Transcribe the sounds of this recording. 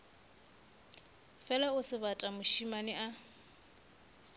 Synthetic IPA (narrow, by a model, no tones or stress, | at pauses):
fɛlaʊsɪβatʼamʊʃimanɪʔa